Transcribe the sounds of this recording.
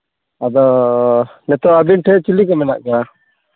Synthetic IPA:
ad̪ɔ | nɛt̪ɔab̪inʈʰɛt͡ʃilik̬ɔmɛna̰ʔkaɾa

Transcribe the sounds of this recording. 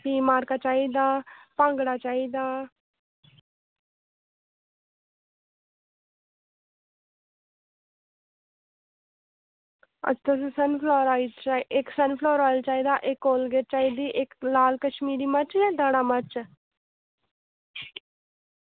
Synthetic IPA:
piːmaːɾkaːt͡ʃaːiːd̪aːpãŋɡɽaːt͡ʃaːiːd̪aː | ə̰t͡ʃt̪əs̬sənpʰlɔːɾaːit͡ʃaɪksənpʰlɔːɾaːlt͡ʃaːiːd̪aːʔɪkːoːlɡeʈ̚t͡ʃaːiːd̪iːʔɪklaːlkəʃmiːɾiːmət͡ʃɛd̪əɽaːmət͡ʃ

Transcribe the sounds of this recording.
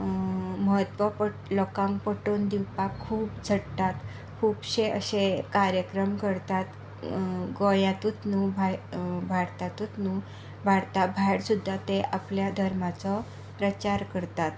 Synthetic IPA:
məɦət̪ʋəpəʈlɔkampəʈond̪iwpakʰːuːpd͡zʱəɽt̪at̪ | kʰuːbɕeə̰ɕẽkaɾjəkɾəmkəɾt̪at̪ | ɡojat̪ut̪nubʱabʱaɽt̪at̪ut̪nu | bʱaɽt̪abʱajɽsud̪ʱːat̪eʔapljad̪ʱəɾmat͡sɔ | pɾət͡ɕaɾkəɾt̪at̪

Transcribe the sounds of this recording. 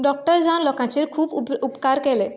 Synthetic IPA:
ɖɔk̚ʈəɾd͡zanlɔkãt͡ɕeɾkʰuːpupkaɾkele

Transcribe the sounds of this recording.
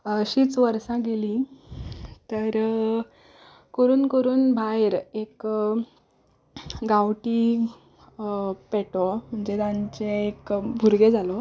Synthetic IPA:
ɕiːt͡sʋəɾsãɡelĩ | t̪əɾ | kəɾuːnkəɾuːnbʱajeɾek | ɡawʈi | peʈɔm̤əɳd͡ʑed̪ãɲt͡ɕeːkbʱuɾɡed͡zʱalɔ

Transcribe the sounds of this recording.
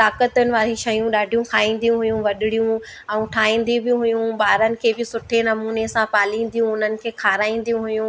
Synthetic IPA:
t̪aːkət̪ənɪ̆ʋaːɾiʃɐjũɗaːɖʱijũkʰaːĩːn̆d̪ijũɦʊjũʋɐɗɪɽijũ | ɛ̃ũʈʰaːĩːn̆d̪ibɪɦʊjũɓaːɾənɪ̆kʰeːbɪsʊʈʰenɐmuːnesãpaːlĩːn̆d̪ijũʊn̤ənɪ̆kʰeːkʰaːɾaːĩːn̆d̪ijũɦʊjũ

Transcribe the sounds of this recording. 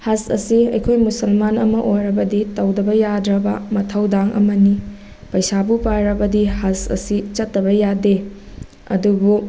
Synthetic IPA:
hɐsɐ̰siɐ̰jkʰojmusɐlmanɐmɐʔojɾɐbɐditɐwdɐbɐjadɾɐbɐmɐtʰɐwdaŋʔɐ̰mɐni | pɐjsabupaɾɐbɐdihɐsɐ̰sit͡ʃɐtːɐbɐjade | ɐ̰dubu

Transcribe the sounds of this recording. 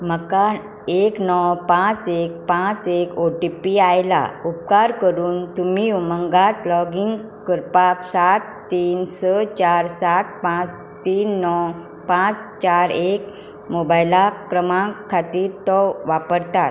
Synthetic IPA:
məka | eknɔwpãt͡sek̚pãt͡sekoʈipiajla̰up̚kaɾkəɾuːnt̪umiuməŋɡat̪lɔɡiŋɡ | kəɾpaksat̪ːiːnsət͡ɕaɾsat̪̚pãt͡s | t̪iːnːɔw | pãt͡st͡ɕaɾek | mobajlakɾəmãkʰat̪iːɾt̪ɔʋapəɾt̪a

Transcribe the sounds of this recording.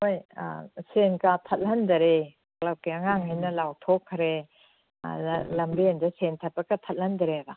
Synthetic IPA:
hoj̰senkatʰɐt̚lɐnd̪ɐɾe | klɐp̚kiɐŋaŋɦajnɐlawtʰokʰːɾḛ | lɐmbeendɐsentʰɐt̚pɐkɐtʰɐt̚lɐndɐɾeba

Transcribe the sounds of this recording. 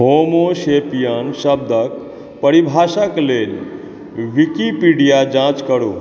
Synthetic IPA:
ɦomoʃepijanʃəb̚d̪ʱək̚ | pəɾibʱaːʃəkleːl | ʋikipiɖijad͡ʒãːt͡ʃkəɾoː

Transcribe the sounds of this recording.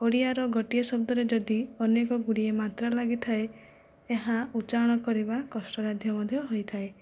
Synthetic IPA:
oɽiaɾɔɡɔʈiesɔb̚d̪ɔɾed͡ʒɔd̪iɔnekɔɡuɽiemat̪ɾalaɡit̪ʰaeː | ɦaut͡ʃaɔɽ̃ɔkɔɾibakɔsʈɔɾad̪ʱjɔmɔd̪ʱjɔɦojt̪ʰae

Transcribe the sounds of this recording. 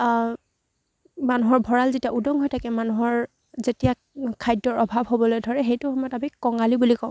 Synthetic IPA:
manuɦɔɹbʱɔɹalzetiaudɔŋɦojtʰakɛmanuɦɔɹ | zetija | kʰajdːɔɹɔbʱabɦobɔlojdʱɔɹɛɦejtʊhɔmɔjɔtamikɔŋalibulikɔ̃

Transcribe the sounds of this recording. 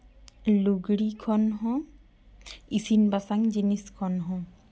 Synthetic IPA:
luɡɽikʰɔnɦɔ̃ | isinbasaŋd͡ʒiniskʰɔnɦɔ̃

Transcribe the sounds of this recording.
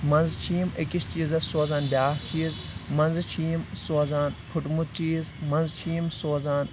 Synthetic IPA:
mɐ̃nzt͡ʃʰiːmekist͡ʃiːzɐsoːzaːnbʲjaːht͡ʃʰiːz | mɐnzt͡ʃʰiːmsoːzaːnpʰuʈmut̪̚t͡ʃiːzmɐnzt͡ʃʰiːmsoːzaːn

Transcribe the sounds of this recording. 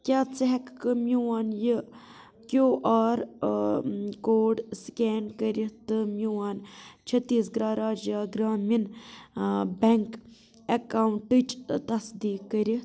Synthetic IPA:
kʲjaːt͡sɐɦɐkːɨmjuwaːnjɨ | kjoːʔaːɾ | koːɖskeːnkəɾit̪ɨmʲjuwaːnt͡ʃʰɐt̪ːiːsɡɾaːɾaːd͡ʒjaːɡɾaːmin | bʲeŋk | ɐkaːwuɳʈɨt͡ʃt̪ɐsd̪iːkːəɾi

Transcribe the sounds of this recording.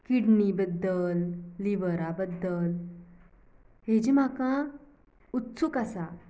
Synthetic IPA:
kiɽɳibəd̪ːəlːiʋəɾabəd̪ːəl | ɦed͡ʑim̤akã | ut̪ːsukasa

